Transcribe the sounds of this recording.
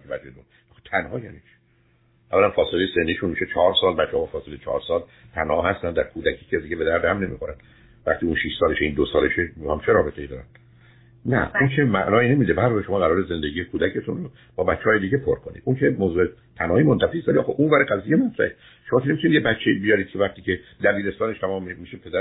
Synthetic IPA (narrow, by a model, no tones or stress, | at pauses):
evæd͡ʒed̪un | xt̪ʰænhɒːjæ̰nit͡ʃʰi̥ | ʔævːælænfɒːselejesend̪iːʃunmiːʃet͡ʃʰɒːɾsɒːlbætt͡ʃːehɒfɒːselet͡ʃʰɒ̰ːɾsɒːl | t̪ʰænhɒːhæst̪ænd̪æ̰ɾkʰuːd̪ækʰiːcʰezd̪iɟebe̞d̪æɾd̪hæmne̞mḭːxoɾænd̪ | væχt̪iːunʃiʃsɒːleʃeind̪osɒːleʃemiæmt͡ʃʰeɾɒːbet̪ʰeiːd̪ɒːɾæ̰nd̪̥ | næ̰unkʰemæʔnɒːiːne̞miːd̪ebæɾoeʃoɒːɣæɾɒːɾeze̞nd̪eɟiːjekʰuːd̪æcʰet̪ʰunro | b̥ɒːbæt͡ʃʰːehɒːjed̪iːɟepʰoɾkʰonḭd̪ʔunkʰemozue | t̪ʰænhɒːiːmont̪ʰæfiːst̪æɾiʔːxeʔunvæːɾeɡæzijːemæt̪ʰɾæ̰ʔe | ʃomɒːkʰʲenemit̪unid̪jebætt͡ʃʰːeibijɒːɾid̪̥̚kʰevæχt̪iːcʰed̪æbiːɾe̞st̪ɒːneʃt̪ʰæmɒːmimːiːʃepʰed̪æ